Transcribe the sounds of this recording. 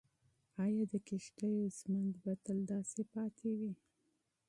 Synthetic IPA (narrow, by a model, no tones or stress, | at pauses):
ɑjɑd̪əkɪʃʈəjozmand̪bat̪əld̪ɑsepɑt̪ʰewi